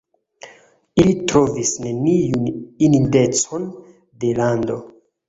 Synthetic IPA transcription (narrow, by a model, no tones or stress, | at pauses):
ilitɾo̞visne̞nijunininde̞t͡so̞n | de̞lando̞